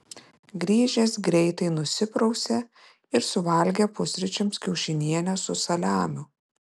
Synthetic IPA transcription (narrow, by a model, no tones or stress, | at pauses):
ɡɾʲiːʒʲɛsɡɾʲɛɪt̪ɐɪnʊsʲɪpɾɐʊsʲɛ | ɪɾsʊʋɐlʲɡʲɛpʊsʲɾʲɪt͡ʃʲɛmskʲɛʊʃʲɪnʲiɛnʲɛsʊsɐlʲæːmʲʊ